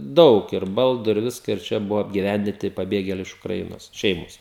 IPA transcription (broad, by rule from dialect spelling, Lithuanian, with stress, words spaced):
ˈdɐʊk ɪr ˈbɐlˠdʊ ɪr ˈʋʲɪskɐ ɪr ˈt͡ʃʲɛ ˈbʊʋɐ ɐbʲɡʲɪˈʋʲænʲdʲɪnʲtʲɪ pɐˈbʲeːɡʲeːlʲɛɪ ɪʃ ʊkrɐˈɪnoːs ˈʃʲɛɪmoːs